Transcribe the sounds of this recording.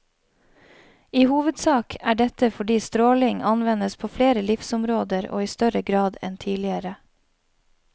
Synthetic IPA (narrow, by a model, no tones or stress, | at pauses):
iːhuːʋəd̪sɑːkʰæːɖɛt̪əfɔɖiːst̪ɾoːlɪŋɑnʋɛnəspʰoːfleːɾəlɪfsʊmɾoːd̪əɾo̰ːiːst̪œɾəɡɾɑːd̪ɛ̰nt̪ʰiːlɪəɾə